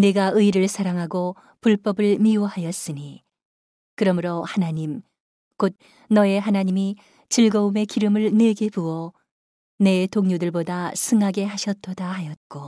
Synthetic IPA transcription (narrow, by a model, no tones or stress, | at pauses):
ne̞ɡaɯiɾɯɭsʰaɾaŋɦaɡo | puɭp͈ʌbɯɭmiohajʌs͈ɯɲi | kɯɾʌmɯɾohanaɲim | kot̚ | nʌe̞ɦanaɲimi | t͡ɕiɭɡʌume̞kiɾɯmɯɭne̞ɡe̞puʌ | ne̞toŋɲudɯɭbodasʰɯŋɦaɡe̞ɦaɕʰʌt͈ʰʌdahajʌt̚k͈o